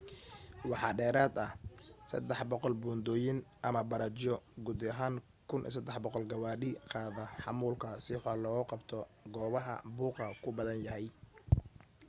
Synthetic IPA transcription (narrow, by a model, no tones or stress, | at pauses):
wɑħɑːɖɛːɾaːd̪ɐhsɐ̰d̪ɛħbɔqɔlbuːnd̪ɔːjɪnʔɐmɐbɐɾɐt͡ʃɔɡud̪ɐɦaːŋ | kʰʊnʔḭːsɐd̪ɛħbɔqɔlɡɐwaːɗɪqɑːðɐħɑ̰muːlkʰɐsɪħɔlɔːɣʊqɑbt̪ʰɔɡɔːβɐɦɐ̰buːqɐkʰʊbɐðɐnjɐɦɛj